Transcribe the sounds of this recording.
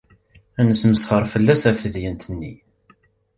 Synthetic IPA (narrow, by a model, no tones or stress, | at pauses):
ænəsməsχəɾˤfəlːæsæfθəðjənt̪ənːi